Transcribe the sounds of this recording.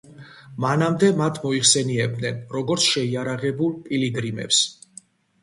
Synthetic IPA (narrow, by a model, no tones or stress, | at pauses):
manamd̪ɛmat̪ʰmɔiχsɛniɛb̚d̪nɛnɾɔɡɔɾt̪sʰʃɛiaɾaʁɛbulˠpʼiliɡɾimɛ̰ps